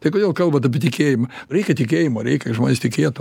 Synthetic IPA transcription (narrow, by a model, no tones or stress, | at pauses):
t̪ɐɪkoːd̪ʲeːlˠkɐlˠbɐt̪ɐpʲɪt̪ʲɪkʲeːjɪmɐɾʲɛɪkʲɛt̪ʲɪkʲeːjɪmoːɾʲɛɪkʲɛʒmoːnʲeːst̪ʲɪkʲeːt̪ː